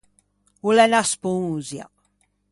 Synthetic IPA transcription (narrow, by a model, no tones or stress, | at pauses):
ulɛnaspũŋzja̰